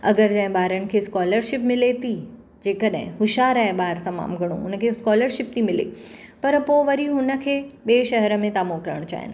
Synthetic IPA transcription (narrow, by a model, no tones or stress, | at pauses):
ɐɡəɾd͡ʑɐ̃ɦɪ̃baːɾənɪ̆kʰeskɔːləɾʃɪpmɪlet̪ʰi | d͡ʑeːkəɗɦɪ̰̃ɦʊʃaːɾaːɪbaːɾt̪ɐma̰ːmɡʱɐɽ̃ṵ̃ʊnəkʰeskɔːləɾʃɪp̚t̪ʰimɪlḛ | pɐɾpoʋɐɾiɦʊnə̆kʰeːɓeːʃɐɦɾəmẽt̪aːmoːkɾə̰ɽ̃t͡ɕa̰ːɦɪ̰nɪ